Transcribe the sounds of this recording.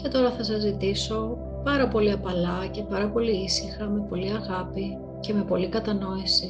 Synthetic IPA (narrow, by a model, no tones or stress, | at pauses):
ce̞t̪o̞ɾɐθɐsɐzit̪iso̞ | pɐɾɐpo̞liɐpɐlɐce̞pɐɾɐpo̞liisixɐme̞po̞liɐɣɐpi | ce̞me̞po̞likɐt̪ɐno̞isi